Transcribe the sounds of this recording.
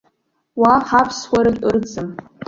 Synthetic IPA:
waħapʰswʷaɾɨɨrd͡zɨm

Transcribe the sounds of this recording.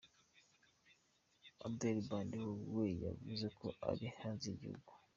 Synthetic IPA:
abdelibaːndiwoweja̰vuzekʰo̞ʔa̰ɾihaːnziɟihṵɡu

